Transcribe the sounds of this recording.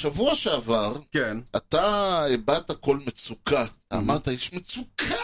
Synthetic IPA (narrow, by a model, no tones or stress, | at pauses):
ʃavuaʃeavaʁkenat̪aebat̪ako̞lmet͡sukatamaʁt̪ajɛʃmet͡sukʰa